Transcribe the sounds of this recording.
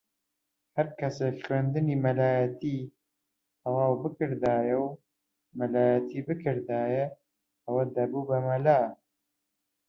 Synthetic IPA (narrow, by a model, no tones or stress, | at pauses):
hɐɾkɐsekχɥend̪ɨnimɐlaːjɐt̪iː | t̪ʰɐwaːwbɨkɨɾd̪aːjɛw | mɐlaːjət̪ʰiːbɨkʰɨɾd̪aːjɛ | ɐwɐd̪ɐbubɐmɐlaː